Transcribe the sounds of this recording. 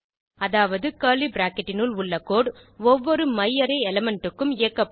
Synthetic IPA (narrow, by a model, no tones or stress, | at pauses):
ɐðaːʋɐðɯkaːlibɾaːkɛʈːɪnɯlʊɭːɐkːoːɽɔʋːɔɾɯmɐjːɐɾɐɪɛlɛmɛɳʈɯkːɯmɪjɐkːɐpː